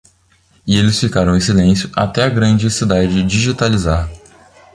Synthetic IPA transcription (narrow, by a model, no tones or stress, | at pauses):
ɪelɪsfikaɾɐ̃w̃ẽj̃silẽsjʊʔa̰t̪ɛaɡɾɐ̃d͡ʒɪsid̪ad͡ʒd͡ʒɪd͡ʒiʒit̪alizaɾ